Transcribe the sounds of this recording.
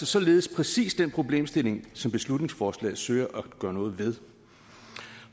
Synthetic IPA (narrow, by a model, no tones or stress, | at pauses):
sɒsɒ̽le̝ːð̞̩ˠəspʰʁɛsḭːsd̥enpʰʁo̝b̥le̝̰ːmsd̥e̝le̝ŋsɒ̽mb̥e̝slud̥ne̝ŋsfɒːslɛ̰ɪsøɪ̰ɐʔæɡ̥ɶɐnɔ̽ːð̩ˠʋe̝ðˠ